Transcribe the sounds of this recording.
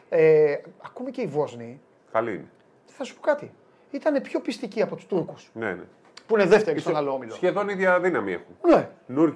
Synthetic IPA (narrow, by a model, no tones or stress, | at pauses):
eɐkumece̞ivo̞zni | kɐlḭḭne | θɐsu̥po̞kɐt̪i | it̪ɐne̞pço̞pist̪iciɐpo̞t̪u̥st̪uɾkusnḛnḛ | puine̞ðe̞ft̪eɾost̪nɐloomilosçeðo̞niðʝɐðinɐmiḛxunnenuɾ